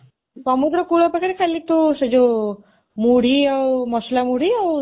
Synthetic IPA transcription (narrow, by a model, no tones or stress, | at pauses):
sɔmud̪ɾɔkuɭɔpakʰaɾikʰalit̪used͡ʒo | muɽ̤iawmɔslamuɽiaw